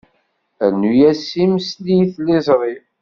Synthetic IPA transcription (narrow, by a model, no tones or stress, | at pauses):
ænujæsimslijθlɪzˤɾˤi